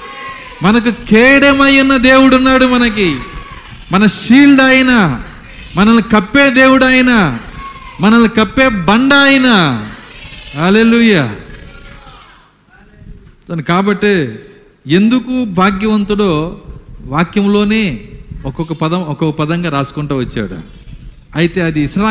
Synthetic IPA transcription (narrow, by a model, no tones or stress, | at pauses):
mɐnɐk̬ukeːɽemɐjunːɐd̪e̞ːwuɽunːaːɽumɐnɐk̬i | mɐnɐʃiːlɖɐjina | mɐnɐnikɐpːeːd̪e̞ːwuɽaːjina | mɐnɐnikɐpːeːbɐɳɖaːjina | ɦaːleːluːjaː | nkaːbɐʈːi | end̪ukubʱaːɡjɐʋɐnt̪uɽo̞ː | ʋaːkjɐmlo̞ːne̞ːɔkɔkɐpɐd̪ɐmɔkɔkɐpɐd̪ɐŋɡaːɾaːsu̥kuɳʈuːʋɐt͡ʃːa̰ːɽṵ | ɐjit̪e̞ːɐd̪isla